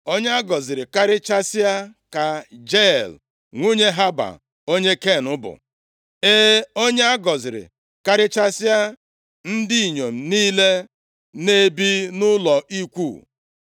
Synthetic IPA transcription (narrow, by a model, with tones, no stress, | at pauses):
o˦ɲ˦a˦ɡɔ˨zɪ˨ɾɪ˨ka˦ɾɪ˦t͡ʃa˦sɪ˦a˦ka˨d͡ʒe˦˨l | ŋʷu˦ɲe˦ɦa˦ba̰˨ | o˦ɲe˦ke˦˨nʊ˦bʊ̰˨ | e˦o˦ɲe˦a˦ɡɔ˨zɪ˨ɾɪ̰˨ | ka˦ɾɪ˦t͡ʃa˦sɪ˦a˦ | n̩˦di˦i˨ɲo˨m̩˨niː˦le˦ | ne˦bi˦nʊ˦lɔ˨ʔi˦kʷu˦˨